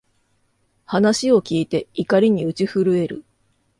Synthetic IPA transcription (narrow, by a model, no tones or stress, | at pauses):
hanaɕio̞kʲiːt̪e̞ikaɾʲiɲ̟iɯ̟t͡ɕiɸɯɾɯ̟e̞ɾɯ̟̰